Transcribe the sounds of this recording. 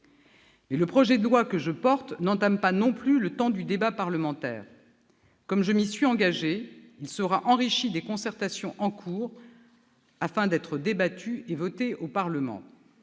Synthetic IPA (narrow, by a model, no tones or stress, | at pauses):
mɛləpχɔʒɛd̪əlwakəʒəpɔʁt̪nɑ̃t̪ampanɔ̃plylət̪ɑ̃d̪yd̪ebapaʁləmɑ̃t̪ɛ̰ːʁ | kɔmʒəmisɥiɑ̃ɡaʒeilsəʁaʔɑ̃ʁiʃid̪ekɔ̃sɛʁt̪asjɔ̃ʔɑ̃kʰuːʁ | afɛ̃d̪ɛt̪χəd̪ebat̪ʰyevɔt̪eʔopaʁləmɑ̰̃